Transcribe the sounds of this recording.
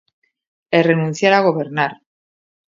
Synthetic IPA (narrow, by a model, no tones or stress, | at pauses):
erenũn̟θjaɾaɣ̞o̞βe̞ɾnaɾ